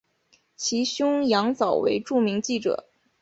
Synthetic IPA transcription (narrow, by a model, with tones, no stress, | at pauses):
t͡ɕʰi˧˥ɕjʊ˥ŋjɑ˧˥ŋt͡sɑ˨˩ʊwḛ˧˥ɪʈ͡ʂu˥˩mi˧˥ŋt͡ɕi˥˩ʈ͡ʂɤ̰˨˩˦